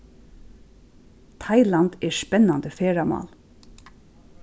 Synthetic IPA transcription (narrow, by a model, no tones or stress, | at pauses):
t̪ʰaɪlant̪ɛspɛnːand̪əfeːɹamɑ̰ːl